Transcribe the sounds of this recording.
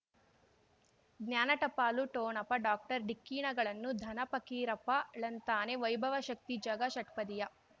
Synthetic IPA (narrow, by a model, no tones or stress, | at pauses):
ɡnjaːnɐʈɐpaːluʈoːnɐpɐɖaːk̚ʈɐɾɖikːiːɳɐɡɐɭɐnːud̪ʱɐnɐpɐkiːɾɐpɐɭɐnt̪aːneʋɐjbʱɐʋɐʃɐk̚t̪id͡ʒɐɡɐʃɐʈpɐd̪ijɐ